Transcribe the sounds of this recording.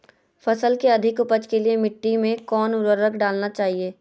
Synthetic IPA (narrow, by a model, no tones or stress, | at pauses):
fɐsəlkeɐd̪ʱɪkʊpəd͡ʒkeliemɪʈːimẽkɔːnʊɾəɾəkɖaːlnat͡ʃaːɦieː